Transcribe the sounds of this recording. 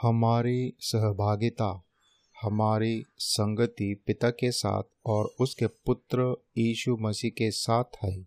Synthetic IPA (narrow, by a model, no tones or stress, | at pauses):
hɐmaːɾisəɦbʱaːɡɪt̪a | hɐmaːɾisɐ̃ŋɡət̪ipɪt̪akesa̰ːt̪̚ʰɔːɾʊskepʊt̪ɾəjiːʃumɐsiːkesaːt̪ʰɦɛː